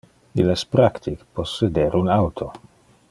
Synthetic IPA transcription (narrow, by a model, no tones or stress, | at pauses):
ilaspɾakt̪ʰikposːed̪eːɾunawt̪ʰo